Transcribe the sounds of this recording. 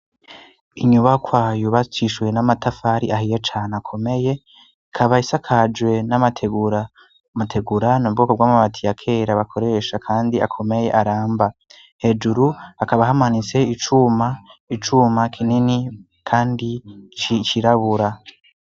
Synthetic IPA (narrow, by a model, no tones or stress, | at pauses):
iɲuβakwajuβat͡ʃiʃwe̞namatafaɾiaɦijet͡ʃaːnakʰo̞me̞je̞ | kʰaβaisakʰad͡ʒwe̞namatʰeɡɾa | matʰe̞ɡuɾanab̚ɡo̞ːkobɡwaːmamatʰijakʰe̞ːɾaβakʰo̞ɾe̞ːʃakʰaːndia̰kʰo̞me̞je̞̰ʔaɾaːmba | he̞ːd͡ʒuɾuakaβaɦamanise̞it͡ʃumait͡ʃumakʰinini | kʰaːndit͡ʃit͡ʃiɾaβuɾa